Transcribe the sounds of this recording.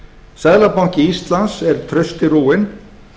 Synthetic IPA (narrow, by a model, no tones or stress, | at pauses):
saːðlapawɲ̥cɪist̪lansɛɾ̥t̪ʰɾœɥst̪ɪɾuːɪn